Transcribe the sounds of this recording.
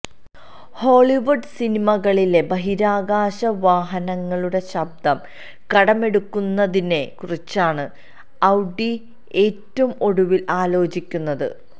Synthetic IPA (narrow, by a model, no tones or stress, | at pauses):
ho̞ːɭiʋurɖsinimɐɣɐɭile̞bɐɦiɾaːɡaːɕɐʋaːɦɐnɐŋːɐɭuɽe̞ɕɐb̚d̪ʱɐm | kɐɽɐme̞ɽukːunːɐðine̞kurit͡ɕːaːɳɨ | ɐwɖi | e̞ːtːɐʋumo̞ɽuʋilʔaːlo̞ːt͡ɕikʲːunːɐðɨ̰